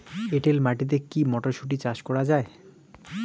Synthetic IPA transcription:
eʈelmaʈit̪̬ekimɔʈoʃuʈ̬it͡ɕaʃkɔɾad͡ʑae

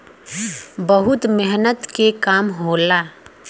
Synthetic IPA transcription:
bəɦʊt̪mɪɦnət̪kekaːmɦoːlaː

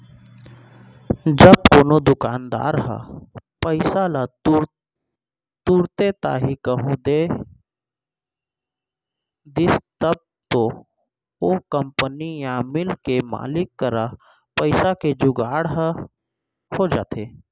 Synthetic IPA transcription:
d͡ʒəb̚koːnod̪ʊkaːnd̪a̰ːɾɦa̰pəɪsala | t̪uːɾt̪et̪a̰ɦikəɦũd̪e | d̪ɪst̪əb̚ | t̪o | okəmpənijaːmɪlkema̰ːlɪkːəɾa | pəɪsaked͡ʒʊɡaːɽɦ | hod͡ʒaːt̪eː

